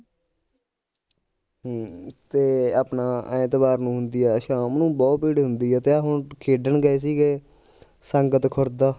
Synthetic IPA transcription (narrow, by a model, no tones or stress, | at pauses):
t̪eːaːpnãːt̪ɪbaːɾnũːɦʊnd̪iːɛːʃãːmnũːbɔːt̪̚pɪɽɦʊnd̪iːɛːt̪eːɦʊnkʰeːɖəɳɡəeːs̬iːɡeː | səŋɡət̪kʰʊɾd̪aː